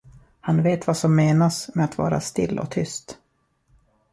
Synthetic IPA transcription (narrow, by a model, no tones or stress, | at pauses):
hanveːt̪vasɔmːeːnasmɛat̪vɑ̰ːɾa̰st̪ɪ̰lːʔɔ̰t̪ʰʏst̪